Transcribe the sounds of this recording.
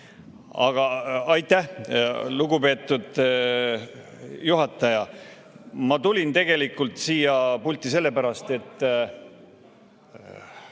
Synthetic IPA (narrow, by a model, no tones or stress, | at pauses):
ɑɡ̥ɑɑjt̪ːˑæhluɡupe̞ːt̪ːˑud̪̥ | juɦɑt̪ːˑɑjɑ | mɑt̪ulʲint̪e̞ɡ̥e̞likːˑult̪siːjɑpulʲt̪ˑːise̞lːe̞pæɾɑst̪e̞t̪ːˑ